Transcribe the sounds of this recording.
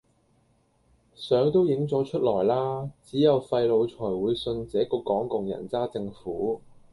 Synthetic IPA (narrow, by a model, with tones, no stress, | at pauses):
sœː˨˥ŋt̪o˥wjɪ˨˥ŋt͡sɔː˨˥t͡ʃʰɵ˥t̚lɔː˨˩jlaː˥t͡siː˨˥jɐ˨wfɐ˧jlo˨˧wt͡sʰɔː˨˩jwuː˨˧jsɵ˧nt͡sɛː˨˥kɔː˧kɔː˨˥ŋkʊ˨ŋjɐ̰˨˩nt͡saː˥t͡sɪ˧ŋfuː˨˥